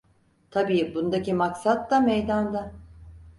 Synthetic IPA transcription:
t̪ʰabiːbund̪acimaksat̪ːamejd̪and̪a

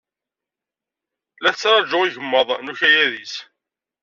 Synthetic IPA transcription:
læθt͡sːɾˤɑd͡ʒʊʁiʝəmːəðˤnuçæjæðis

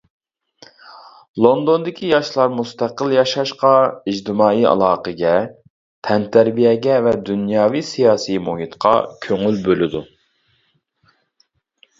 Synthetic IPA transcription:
lˠond̪ond̪ɪkʲʰijɑʃlˠɑɾmust̪æqəlˠjɑʃɑʃqɑid͡ʒt̪ɪmɑːiɑ̰lˠɑːqəɡʲɛ | t̪ʰɛnt̪ʰæɾbijɛɡʲɛvɛd̪unjɑːvisijɑːsimoɦit̪qʰɑ̰kʲʰøŋylbølɪd̪u

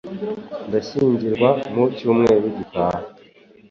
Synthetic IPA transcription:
ndaɕiːɲɟiɾɡwamucuːmŋe̞ːɾiɟikaːha

